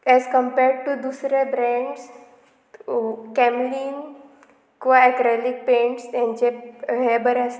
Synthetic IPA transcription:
ɛzkə̃mpeɾɖ̚ʈud̪usɾebɾɛ̃ɳɖs | kɛmliːn | kʋaɛkɾalik̚pẽɳʈst̪jãnt͡ʃeɦebəɾs

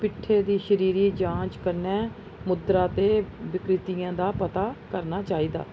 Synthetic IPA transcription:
pɪʈʰːeːd̪iːʃəɾiːɾiːd͡ʒãːt͡ʃkəɾnɛː | mʊd̪ɾaːt̪eːʋɪkɾɪt̪iːãːd̪aːpət̪aːkəɾnaːt͡ʃaːiːd̪a̰ː

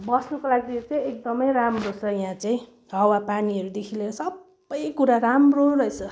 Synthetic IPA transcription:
bʌsnukolaɡid̪it͡saj̃ek̚d̪ʌmʌjramrot͡sʰʌjãt͡saĩ | ɦʌwapaniʌɾud̪ekʰileɾʌsʌbːʌjkuɾaɾamrorʌet͡sʰʌ

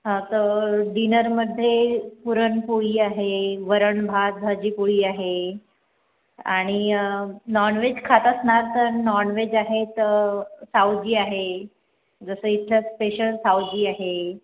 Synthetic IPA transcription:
ɦat̪əɖinəɾməd̪ʱːjepuɾəɳpuɭiːaɦeʋəɾəɳbʱad͡zʱad͡ʑiːpuɭiːaɦe | a̰ɽ̃i | nɔɾɳʋed͡ʑkʰat̪əsɳaɾt̪əɾnɔɾɳʋed͡ʑaɦet̪sawd͡ʑiːaɦe | d͡zəsəːit̪ʰləspeɕəlsawd͡ʑiːaɦe

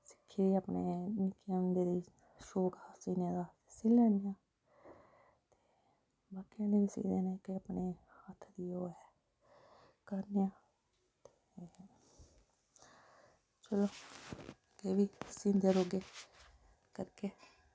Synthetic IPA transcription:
sɪ̥kʰːiːd̪iːaːpneːnɪkeːʊnd̪eːd̪iː | ʃoːkhasiːnjãːd̪aː | siːləːnɪjãː | t̪e̥ː | baːkijãːneːʋːsḭːd̪eːneːkɪaːpneːhət̪ʰːd̪iːoːɛː | kəɾnejãː | t̪e̥ː | t͡ʃəloː | keːʋiːsĩːnd̪eːɾoːɡeː | kəɾkeː

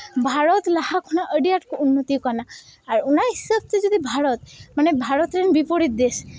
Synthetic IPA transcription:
bʱaɾɔt̪lahakʰunaʔəɖiaʈkɔunːɔt̪ikɔnaː | ɾunaɦisab̚t̪ed͡ʒɔd̪ʱibʱaɾɔt̪manebʱaɾɔt̪ɾenbipɔɽit̪̚d̪es

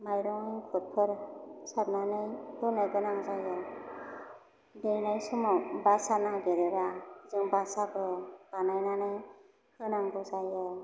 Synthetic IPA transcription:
majɾɔŋɯŋkʰɔt̚pʰɯɾsaɾ̚nanɯjbɯnɯɡɯnaŋzajɯ | dɯjnajsɔmɔwbasanaɡeɾɯɾazɯŋbasabɯb̥anajnanɯj | hɯnaŋbɯzajɯ

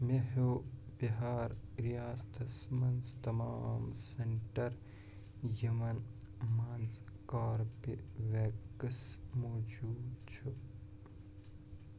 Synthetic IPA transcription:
meɦoːbiɦaːɾɾijaːst̪ʰɐsmɐnst̪ɐmaːmseɳʈɐɾ | jɐmɐn | maːnskaːɾpeʋekɐsmoːd͡ʒuːd̪t͡ʃʰu

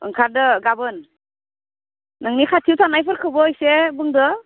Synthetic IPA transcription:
ɯ̰ŋkʰaɾdɯɡabɯn | ɯŋnikʰatʰiwtʰanajpʰɯɾkʰɯbəjsebɯŋdɯ

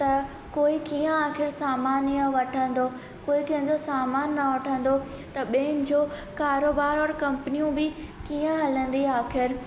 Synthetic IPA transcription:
t̪ɐ | koːikiːə̃aːxɪɾsaːmaːnijə̃ʋɐʈʰə̃nd̪o | koːit̪ɐ̃ɦə̃ɲd͡ʑosaːmaːnːɐʋɐʈʰə̃nd̪o | t̪ɐɓeɦɪnɪ̆d͡ʑoːkaːɾoːbaːɾɔːɾkɐ̃mpənijũbɪkiːə̃ɦɐlə̃nd̪iaːxɪɾ

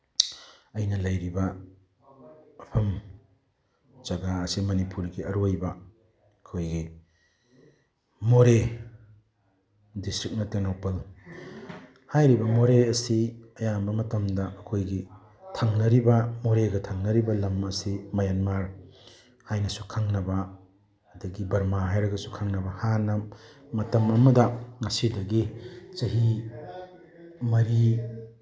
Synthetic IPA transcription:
ɐjnɐlɐjɾibɐ | ɐpʰɐm | d͡ʒɐɡaɐsimɐnipuɾɡiɐɾojbɐː | kʰojɡi | moɾe | distɾik̚nɐteŋnawpɐl | hajɾibɐmoɾeɐsiɐjambɐmɐtɐmdɐʔɐkʰojɡi | tʰaŋnɐɾibɐmoɾeɡɐtʰaŋnɐɾibɐlɐmɐsimɐjanmaɾ | hajnɐsukʰaŋnɐbɐː | dɐɡibɐɾmaɦajɾɐɡɐsu̥kʰaŋnɐbɐhanɐmɐtɐmɐmɐdɐŋɐsidɐɡit͡ʃɐɦi | mɐɾi

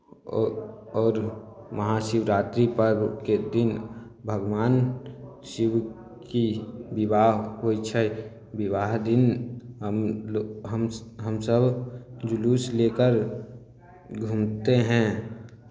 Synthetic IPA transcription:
ɔːɾməɦaʃɪwɾaːt̪ɾipəɾked̪ɪn | bʱəɡwaːn | ʃɪw | kibɪwaːɦɦoit͡ʃʰɛ | bɪʋaːɦd̪ɪnɦəmɦəmɦəmsəbʱd͡ʒʊluːsleːkəɾ | ɡʱumt̪eɦɛ̃ː

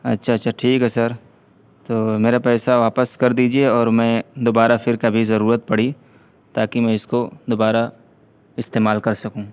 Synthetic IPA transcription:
ɐtːʃʰaɐtːʃʰaʈʰiːkɦɛsɐɾ | t̪oːmeːɾapɛːsaʋaːpəskɐɾd̪iːd͡ʒieɔːɾmɛ̃d̪oːbaːɾafɪɾkɐbʱizɐɾuːɾət̪̚pɐɽ̤i | t̪aːkimɛ̃ɪskod̪oːbaːɾa | ɪst̪eːmaːlkɐɾsɐkũː

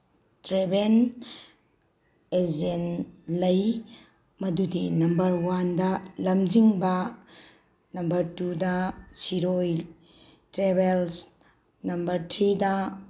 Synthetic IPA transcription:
tɾeben | ezenlɐj | mɐdudinɐmbɐɾwandɐlɐmd͡ʒiŋbɐ | nɐmbɐɾtudɐsiɾoj | tɾebels | nɐmbɐɾtʰɾidɐ

